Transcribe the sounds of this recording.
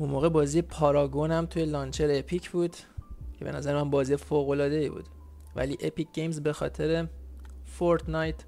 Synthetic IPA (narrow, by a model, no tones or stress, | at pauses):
unmoːɣe̞bɒːziːjepʰɒːɾɒːɡonæmt̪ʰuje̞lɒːnt͡ʃʰeɾepʰicʰbuːd̪ | cʰe̞be̞næ̰zæɾemænbɒːziːjefoːɣo̞lɒːd̪e̞iːbṵːd̪̥ | væ̰liːʔepic̚ːejmzbe̞xɒ̰ːt̪ʰe̞ɾefoɾt̪nɑjt̪